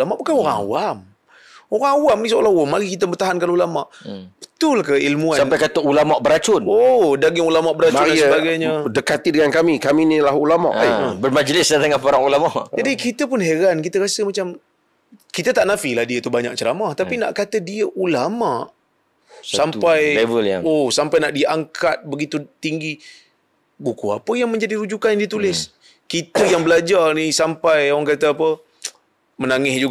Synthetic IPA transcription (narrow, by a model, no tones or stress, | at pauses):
lamaʔbukanoɾaŋa̰wam | oɾaŋawamnisoolahwamaɾikit̪əbət̪aɦankanulamaʔb̥ə̥t̪ʊlkəilmuasamnpajkat̪əulamaʔbəɾat͡ʃʊnodaɡɪŋulamaʔbəɾat͡ʃaɾidansəbaɡajɲədəkat̪idəŋankamikaminilahulama̰ʔbərmad͡ʒlɪsdad̪əŋanpaɾaŋulamaʔd͡ʒadikit̪əpʊnɦeɾankit̪əɣasəmat͡ʃam | kit̪ət̪aʔnafilahdiət̪ubaɲa̰k̚t͡ʃəɾamaht̪apina̰ʔkat̪ədiəʔulamaʔ | sampajlevəljaŋosampajnaʔdiʔaŋkʰat̪̚bəɡit̪ut̪iŋɡi | bukua̰pəjaŋmə̃ɲd͡ʒadiɾud͡ʒukanjandit̪ulɪs | kit̪əjaŋbəlad͡ʒarnisampajoɾaŋkat̪əapə | mənaŋɪsd͡ʒuɡ